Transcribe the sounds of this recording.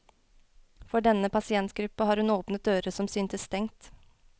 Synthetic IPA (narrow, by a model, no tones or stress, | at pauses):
fɔɖɛnəpʰɑsɪɛnt̪ɡɾʉpːəhɑːɾhʉnoːpnət̪̚d̪øːɾəsɔmsyːnt̪əst̪ɛŋt̪